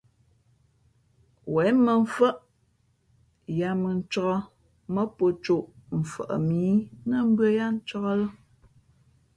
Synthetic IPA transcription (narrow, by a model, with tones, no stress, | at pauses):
wɛ˨˦mə˨ɱ̩˦fə˦ʔ | ja˨˦mə˨n̩˦t͡ʃɔ˦ɣɔ˦ | mə˦po˨t͡ʃo˦˨ʔm̩˨fə̰˨ʔə̰˨miː˨˦nə˦m̩˦bɰə˦ja˦n̩˦t͡ʃɔ˦ɣɔ˦lə˦